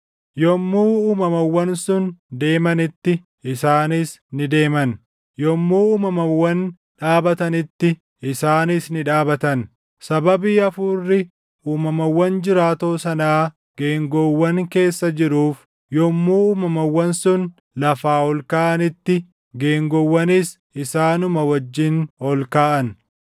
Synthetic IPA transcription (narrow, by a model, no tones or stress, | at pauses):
jɔmːuːuːmɐmɐwːɐnsʊnd̪e̞ːmɐnɪt̪ːɪ | ɪsaːnɪsnɪd̪e̞ːmɐn | jɔmːuːuːmɐmɐwːɐn | ᶑaːbɐt̪ɐnɪt̪ːɪ | ɪsaːnɪsnɪᶑaːbɐt̪ɐn | sɐbɐbiːɐfuːrːɪ | uːmɐmɐwːɐnd͡ʒɪɾaːt̪o̞ːsɐnaː | ɡ̥e̞ːŋɡɔwːɐŋke̞ːsːɐd͡ʒɪɾuːf | jɔmːuːuːmɐmɐwːɐnsʊn | lɐfaːhɔlkaːʔɐnɪt̪ːɪ | ɡe̞ːŋɡɔwːɐnɪs | ɪsaːnʊmɐwɐd͡ʒːɪnhɔlkaːʔɐn